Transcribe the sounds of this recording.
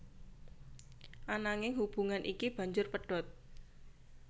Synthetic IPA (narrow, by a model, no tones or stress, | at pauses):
ʔanaŋɪŋhub̥ṳŋanʔikib̥ä̤ɲd͡ʒʊrpəɖ̥ɔ̤t̪̚